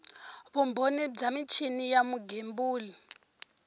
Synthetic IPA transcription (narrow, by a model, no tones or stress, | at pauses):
βumbonid͡zamit͡ʃʰinijamuɡembuːli